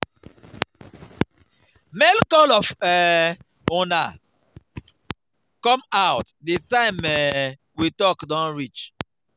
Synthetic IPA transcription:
mɛlkɔlɔfɛ | ũna | kɔ̃maʊt | detãɪ̃mɛ | witɔkdɔ̃nɹit͡ʃ

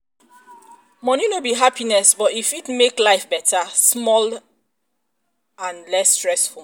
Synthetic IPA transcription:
mɔ̃njunobiɦapinɛsbɔtifitmeklaɪfbɛtʰasmɔl | ãnlɛstɹɛsfulˠ

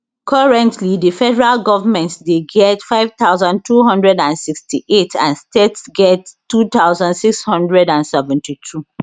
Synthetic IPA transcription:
kʰɔɹɛ̃ntlidəfɛdɛɹalɡɔvamɛ̃ntsdeɡɛtfaɪv̥t̪aʊzãndtʰuɦɔ̃ndɹɛdãnsikstʰiʔetʰã̰nstetsɡɛttːut̪aʊzãndsikshɔ̃ndɹɛdãnsɛvɛ̃ntitʰu

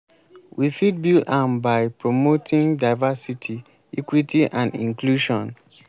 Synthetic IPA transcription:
wifid̚bilãmbaɪpɹomotʰĩŋdaɪvasitʰi | ikwitʰiʔãnḭ̃ŋkluʃɔ̃n

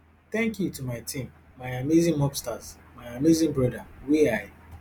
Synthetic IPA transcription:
t̪ɛ̃ŋkjutumaɪtʰĩmːaɪamizĩmɔpstaz | maɪamizĩmbɹɔdawiaɪ

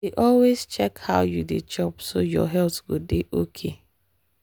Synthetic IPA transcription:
eʔɔlwezt͡ʃɛkhaʊjudet͡ʃɔpsojɔ̰ɦɛlθɡodeʔokʰe

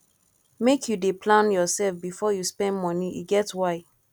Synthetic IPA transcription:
mekʰjudepʰlãnjɔsɛlfbifɔjuspɛ̃ndmɔnijṵɡɛtwaɪ

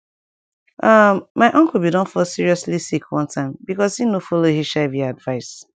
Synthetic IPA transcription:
amːaɪʔɔ̃ŋkl̩ˠbidɔ̃nfɔlsiɹiɔslisikʰwʌ̃ntʰãɪ̃mbikɔsinofɔlohiʃɛvjaadvaɪs

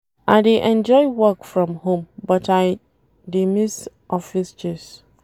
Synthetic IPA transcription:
ʔaɪdeʔɛ̃nd͡ʒɔɪwɔkfɹɔ̃mhõmbɔtaɪ | demis | ʔɔfisd͡ʒɛs

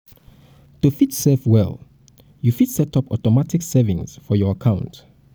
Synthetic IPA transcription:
tufitsɛfwɛ̰lˠ | jufitsɛtʰʌpɔ̰tɔmatʰɪksɛvɪ̃ŋsfɔjɔakʰãʊ̃nt

